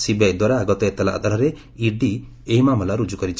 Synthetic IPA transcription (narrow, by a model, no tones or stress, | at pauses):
sibajd̪waɾaːɡɔt̪ɔet̪ala̰ʔd̪ʱaɾaɾe | iɖi | eɦimamɔlaɾud͡ʒukɔɾit͡ʃʰ